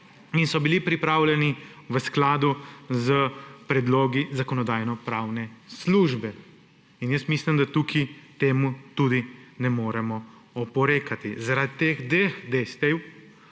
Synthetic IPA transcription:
insɔbilipɾipɾaːwlʲɛniʋəsklaːd̪uzəpɾɛd̪loːɡizakɔnɔd̪aːjnɔpɾaːwnɛsluːʒbɛ | injəst̪mislimd̪at̪ukʰit̪eːmut̪ud̪inɛmoːɾɛmɔ | ɔpɔɾeːkat̪izaɾad̪it̪eːxd̪ʋexd̪est̪ɛw

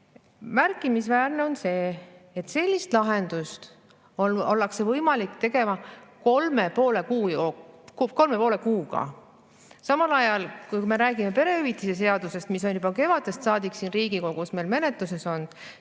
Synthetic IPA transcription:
mærkːˑimisvæːrne̞o̞nse̞ːt̪se̞lʲːist̪lɑɦe̞nd̪̥ust̪ | oo̞lːɑkse̞vɤjmɑlikt̪e̞ɡe̞mɑko̞lme̞po̞ːlekuːjoko̞lme̞poːle̞kuːɡ̥ɑ̰ | sɑmɑlɑjɑlkujkume̞ɾæːɡ̥ime̞pe̞ɾe̞yvit̪ːˑise̞s̬e̞ɑd̪̥use̞st̪mis̬o̞njubɑke̞vɑd̪e̞st̪sɑːd̪iksiːnriːɡiko̞ɡ̥usme̞lme̞ne̞t̪ˑluse̞so̞nd̪̥

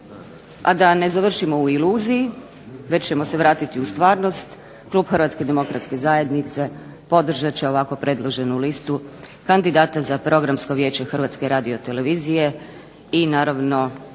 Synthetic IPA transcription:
a̰d̪ane̞zaʋr̩ʃimo̞uiluːziji | ʋe̞t͡ɕt͡ʃe̞mo̞seʋɾaːt̪it̪iust̪ʋaːɾno̞st̪ | klˠuːbxrʋat̪ske̞d̪e̞mo̞kɾat̪ske̞zaːje̞d̪nit̪se̞ | po̞d̪r̩ʒat͡ɕe̞o̞ʋako̞pɾe̞d̪lˠoʒe̞nulist̪u | kand̪id̪aːt̪azapɾʔo̞ɡɾamsko̞ʋje̞ːt͡ɕe̞xr̩ʋaːt̪ske̞ɾaːd̪io̞t̪e̞le̞ʋiːzije̞ | inaːɾaʋno̞

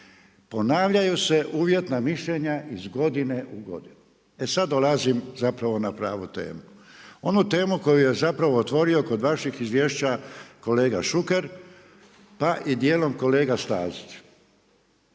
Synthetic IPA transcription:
po̞naːʋʎajuse̞ʔuːʋje̞t̪namiʃʎe̞ɲaʔizɡo̞d̪ine̞ʔuɡo̞̰d̪inu | e̞sad̪dːo̞lazimzapɾaʋo̞napɾaːʋut̪e̞̰ːmuo̞nut̪e̞ːmuko̞juje̞zapɾaʋo̞ːt̪ʋo̞ɾio̞ko̞d̪ʋaʃixizʋje̞ːʃt͡ɕako̞le̞ːɡaʃuke̞ɾ | paʔid̪je̞ːlo̞mko̞le̞ːɡast̪a̰ːzit͡ʃ

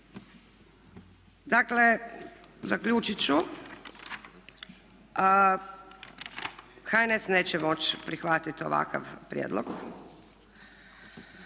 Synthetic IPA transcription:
d̪akle | zakʎuːt͡ʃit͡ɕu | xaenesneːt͡ɕɛmo̞t͡ɕpɾixʋat̪it̪o̞̰ʋa̰ka̰ʋpɾjḛːd̪lˠoɡ

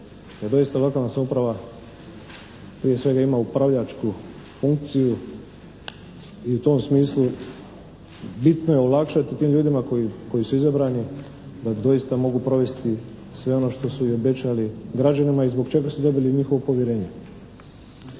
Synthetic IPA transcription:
d̪ad̪o̞jist̪aʋakanasaupɾaʋa | pɾije̞sʋe̞ɡaimaupɾaʋʎat͡ʃku | fuŋk̚t̪siju | iut̪o̞ːmsmiːslˠu | bit̪no̞je̞olakʃat̪it̪iːmʎuːd̪imako̞jiko̞jisuizabɾaːni | d̪ad̪o̞jist̪amo̞ɡupɾo̞ʋe̞st̪i | sʋe̞o̞no̞ʃt̪o̞suio̞be̞t͡ɕaliɡɾad͡ʑanimaizbo̞kt͡ʃe̞ɡasud̪o̞biliɲixo̞ʋo̞po̞ʋjeɾe̞ːɲe̞

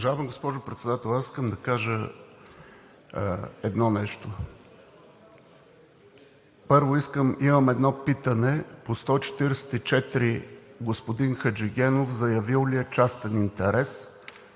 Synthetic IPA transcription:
ʒavɛmɡospɔʒopɾɛt̪sɛd̪at̪ɛlˠasi̥skəmd̪ɐkaʒə | ɛd̪nɔnɛʃt̪o | pɤɾvoiskəmiməmɛd̪nɔpit̪ənɛpost̪ɔit͡ʃɛ̥t̪iɾɛsɛ̥t̪it͡ʃɛt̪ɾiɡospod̪inxəd͡ʒɛɡʲɛnofzɐjɐvilˠliɛt͡ʃast̪ɛnint̪ɛɾɛs

